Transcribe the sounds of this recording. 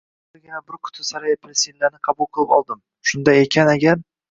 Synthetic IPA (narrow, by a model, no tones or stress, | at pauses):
aɾɡʲanabʊɾkʰʊ̥t̪ʰɪsaɾajapʰɾsilːaɾnɪqʰɑbʊlˠqʰɨlˠɪpɒlˠd̪ɪm | ʃʊnd̪ajekʲʰanaɡʲaɾ